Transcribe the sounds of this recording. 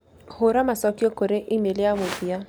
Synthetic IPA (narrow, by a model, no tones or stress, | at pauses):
hʊɾamasɔkjokoɾeʔɪmelɪamobia